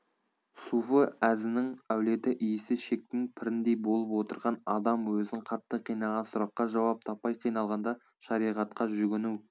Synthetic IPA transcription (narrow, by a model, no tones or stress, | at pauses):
sufəæzɪnɪŋæwle̞t̪ɪʔijɪsɪʃe̞k̚t̪ɪŋpʰɪɾɪnd̪e̞jbo̞lˠəpwo̞t̪əɾʁɑnɑd̪ɑmwɵzɪɴqʰɑt̪ːəqʰijnɑlˠʁɑnsʊɾɑqːɑʒɑwɑp̚t̪ʰɑpːɑjqʰijnɑlˠʁɑnd̪ɑ | ʃɑɾijʁɑt̪qɑʒʏɡʲɪnuw